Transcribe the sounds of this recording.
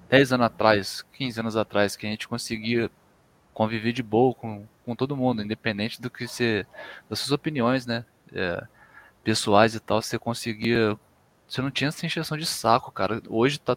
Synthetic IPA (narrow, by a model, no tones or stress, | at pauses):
d̪̥ɛjzɐ̃nʊzat̪ɾajskʲʰĩzɪɐ̃nʊzat̪ɾajskɪɐʒẽnt͡ʃɪ̥kõsɪɡiɐ | kõviveɾd͡ʒɪbowɐkõkõt̪od̪ʊmũnd̪ʊĩd̪epẽnd̪ẽnt͡ʃɪd̪ʊkɪsed̪ɐsuɐzopiniõj̃s̬nɛ | ɛ̰ | pesuajzɪt̪awsekõsɪɡiɐ | senɐ̃w̃t͡ʃĩɲɐɛsɐĩʒesɐ̃w̃d͡ʒɪsakʊkaɾɐoʒɪt̪a